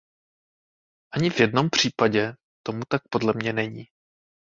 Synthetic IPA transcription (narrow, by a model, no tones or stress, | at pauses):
ʔaɲɪvjɛdno̞mpr̝̥iːpaɟɛ | t̪o̞mut̪ak̚po̞dlɛmɲɛnɛɲiː